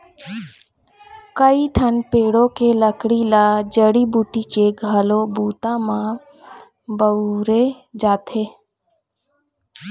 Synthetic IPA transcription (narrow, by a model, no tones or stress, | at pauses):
kəiʈʰənpeːɽõkeləkɽilaːd͡ʒəɽibuːʈikeɡʱəlobuːt̪ãmã | bəɾe | d͡ʒaːt̪ʰeː